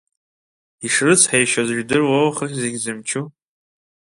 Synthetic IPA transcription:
iʂrɨt͡sʰħajʃazʒᶣdɨrwawχəχʲzeɡʲzɨmt͡ʃʰu

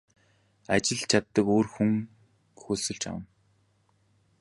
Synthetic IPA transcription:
at͡ɕɪ̆ɮt͡ɕʰat̪ːə̆koːrxuŋ | xɵsɵ̆ɮt͡ɕa̰wə̆n

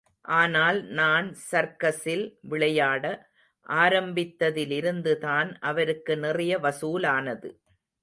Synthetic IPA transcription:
ʔaːnaːlnaːnsɐɾkɐsɪlʋɪɭɐjaːɽɐ | ʔaːɾɐmbɪt̪ːɐðɪlɪɾɯnd̪ɯðaːnʔɐʋɐɾɯkːɯnɪrɪjɐʋɐsuːlaːnɐðɯ̰

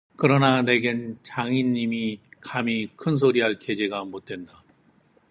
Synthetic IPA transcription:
kɯɾʌnane̞ɡent͡ɕaŋiɲːimikamikʰɯns̬ʰoɾiɦaɭke̞d͡ʑe̞ɡaambot̚t͈we̞nda

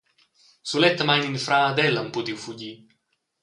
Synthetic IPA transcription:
sulɛt̪ːamaɲinfɾaːd̪ɛlːampud̪iwfuɟi

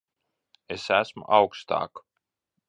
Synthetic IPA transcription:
esæsmʊ̰ʔawkst̪a̰ːk

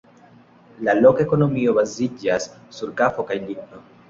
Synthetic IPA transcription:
lalo̞keko̞no̞mio̞bazid͡ʒasːuɾkafo̞kajlikno

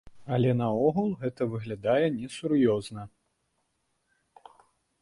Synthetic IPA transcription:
ɐlʲɛnɐɔɣulˠɣɛt̪ɐvɨɣlʲad̪ajɛnʲɛsuɾjɔznɐ

